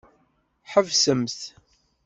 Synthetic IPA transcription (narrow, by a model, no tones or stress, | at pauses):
ħəvsəmθ